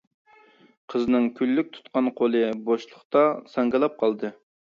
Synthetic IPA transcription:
qʰəznɨŋkʲʰylːyk̚ʲt̪ʰu̥t̪qɑnqʰolˠɨboʃlˠʊχt̪ɑsɑŋɡɨlˠɑp̚qʰɑlˠd̪ɨ

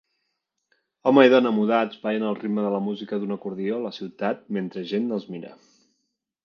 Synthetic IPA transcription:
ɔməiðɔnəmuðazβajənəlˠrid̪məðələmuzikəðunəkuɾðioləsiwt̪at̪̚ment̪ɾəʒenːəlˠzmiɾə̰

